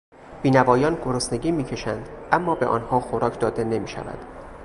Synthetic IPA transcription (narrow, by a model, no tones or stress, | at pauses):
b̥iːnævɒːjɒːnɡoɾosne̞ɡʲiːmiːcʰe̞ʃænd̪ʔæmːɒːbeʔɒ̰ːnhɒːxoɾɒːcʰd̪ɒːd̪e̞ne̞miːʃæ̰væ̰d̪̥